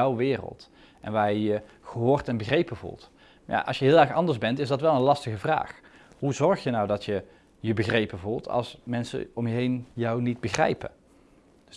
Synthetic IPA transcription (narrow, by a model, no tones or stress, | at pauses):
wʋɪːrə̰lˠt | ʔɛ̰nʋaːjjə | χəɦʊːrtɛnbəxrejpəvṵlˠt | ja̰ʔɑ̰lsjəɦɪːlˠɛɹχɑndəɹzbɛntɪzdɑtʋɛlˠənlɑstəɣəvra̰ːχ | ɦuzɔɹχjənɑwdɑtjə | jəbəxrejpəvulˠtʰɑ̰lˠsmɛnsə̰ɔmjəɦejnjɔwnid̚bəxrɛ̰jpə̰